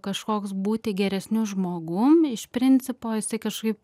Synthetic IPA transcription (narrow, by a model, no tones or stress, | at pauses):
kɐʃkoːksbuːt̪ʲɪɡʲɛɾʲɛsʲnʲuʒmoːɡumɪʃpʲɾʲɪnʲt͡sʲɪpoːjɪsɐɪkɐʃkɐɪp̚